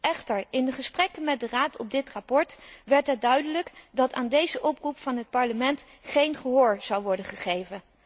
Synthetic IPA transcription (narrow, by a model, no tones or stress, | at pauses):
ʔɛχtəɹɪndəχəsprɛkənmɛt̚dəraːtʰɔb̚dɪtrɑpɔɹtʋɛɹtɦət̚dœɥdələkdɑtaːndejzəʔɔprupfɑnɦət̚pɑɹləmɛnt | χejnχəɦʊːɹz̥ɑwʋɔɹdənχəχejvən